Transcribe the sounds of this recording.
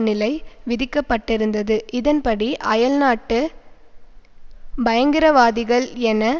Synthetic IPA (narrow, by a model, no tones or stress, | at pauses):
nɪlɐɪʋɪðɪkːɐpːɐʈːɪɾɯnd̪ɐðɯʔɪðɐnpɐɽiʔɐjɐɭnaːʈːɯ | bɐjɐŋɡɪɾɐʋaːðɪɣɐɭɛnɐ